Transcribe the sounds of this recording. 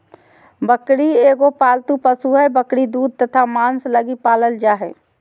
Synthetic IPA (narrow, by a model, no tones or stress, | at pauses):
bəkɽieːɡopaːlt̪upəsuɦɛbəkɽid̪uːd̪̚t̪ət̪ʰamaːnsləɡipaːləld͡ʒaːɦɛ̰ː